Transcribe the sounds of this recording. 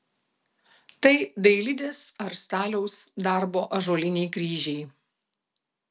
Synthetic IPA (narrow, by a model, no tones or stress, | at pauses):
t̪ɐɪd̪ɐɪlʲɪd̪ʲeːsɐɾst̪ɑːlʲɛʊsd̪ɑˑɾboːʔɐʒoːlʲɪnʲɛɪkɾʲiːʒʲɛɪ